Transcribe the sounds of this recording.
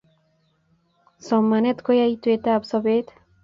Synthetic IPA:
sɔmːanet̪kojait̪et̪absɔbet̪

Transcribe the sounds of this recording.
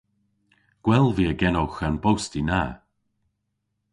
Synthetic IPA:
ɡ̥wɛlˠviːəɡɛnowxanbowstina

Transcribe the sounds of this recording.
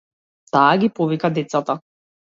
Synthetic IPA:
t̪aːɡʲipɔvikad̪ɛt̪sat̪a

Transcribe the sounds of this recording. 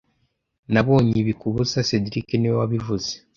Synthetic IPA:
naβo̞ːɲiβikuβuzasediɾikenewaβivuze

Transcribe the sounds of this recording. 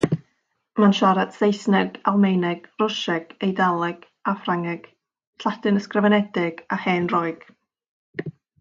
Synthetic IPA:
manʃɔɾatsejsnɛɡalˠmejnɛɡ̥rʊʃɛɡ̥ejdalˠɛɡ̥ | afraŋɛɡ̥ | ɬadɨnəskrəvɛnɛdɪɡ̥ahɛːnrɔɨɡ̥

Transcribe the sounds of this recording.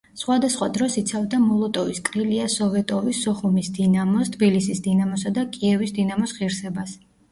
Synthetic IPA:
sχwad̪asχwad̪ɾɔsit̪sʰavd̪amɔlˠɔt̪ʼɔviskʼɾiliasɔvɛt̪ʼɔvisɔχumisd̪inamɔst̪ʰbilisisd̪inamɔsad̪akʼiɛvisd̪inamɔsʁiɾsɛbas

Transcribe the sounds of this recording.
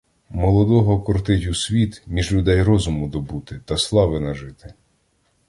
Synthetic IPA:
mɔlˠɔd̪ɔɦɔkɔrt̪ɪtʲusʲʋʲit̪mʲiʒlʲʊd̪ɛjrɔzʊmʊd̪ɔbut̪ɪt̪ɐslˠɑʋɪnɐʒɪt̪ɪ̥

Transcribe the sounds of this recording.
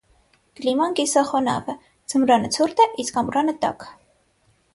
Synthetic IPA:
klimɑnkisɑχɔnɑ̰və | d͡zəmɾɑnət͡sʰuɾt̪ɛʔiskɑmɾɑnət̪ɑ̰k

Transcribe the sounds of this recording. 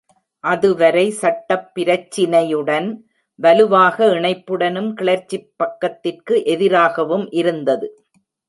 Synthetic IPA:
ʔɐðɯʋɐɾɐɪsɐʈːɐpːɪɾɐt͡ʃːɪnɐjɯɽɐn | ʋɐlɯʋaːɣɐɪɳɐɪpːɯɽɐnɯmkɪɭɐɾt͡ʃːɪpːɐkːɐt̪ːɪrkɯʔɛðɪɾaːɣɐʋɯmʔɪɾɯnd̪ɐðɯ

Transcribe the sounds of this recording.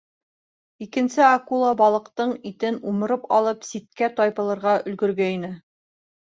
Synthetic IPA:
ikɘ̆nsɘakulˠɑbɑlˠɤ̆qt̪ɤɴit̪ɘnumɤ̆ɾɤpɑlˠɤpsit̪̚kæt̪ɒjpɤ̆lˠɤ̆ɾʁɑɵ̆lɡɵ̆ɾɡæinɘ

